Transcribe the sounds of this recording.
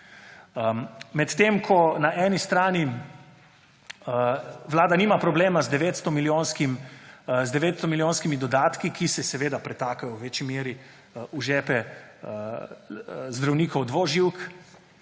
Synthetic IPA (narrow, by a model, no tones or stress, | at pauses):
mɛt̪t̪emkʰɔnaʔɛnist̪ɾaːni | ʋlaːd̪aniːmapɾɔbleːmazd̪ɛʋeːt̪st̪ɔmiljoːnskimzd̪ɛʋeːt̪st̪ɔmilijoːnskimid̪ɔd̪aːt̪kikisɛsɛʋeːd̪apɾɛt̪aːkajɔwʋeːt͡ʃimeːɾi | uʒɛːpɛ | zd̪ɾawniːkɔwd̪ʋoːʒiwk